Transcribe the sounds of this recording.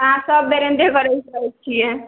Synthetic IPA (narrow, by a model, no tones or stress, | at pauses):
ɦãsəbːeɾend̪ʱekəɾɛsəɦɛt͡ʃʰijɛ̃